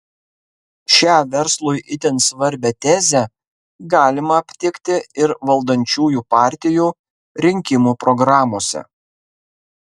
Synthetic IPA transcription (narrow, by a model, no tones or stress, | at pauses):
ʃʲæːʋʲɛɾslˠʊjʔɪt̪ʲɛnsʋɐɾʲbʲɛt̪ʲæːzʲɛ | ɡɑːlʲɪmɐɐpʲt̪ʲɪkʲt̪ʲɪɪɾʋɐlˠd̪ɐnʲt͡ʃʲuːjuːpɑːˑɾʲt̪ʲɪjuː | ɾʲɪŋʲkʲɪmuːpɾɔɡɾɑːmoːsʲɛ̰